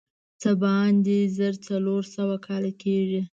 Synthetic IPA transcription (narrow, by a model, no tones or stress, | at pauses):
t͡səbɑnd̪ezəɾt͡saloɾsəwakʰɑlakeʐi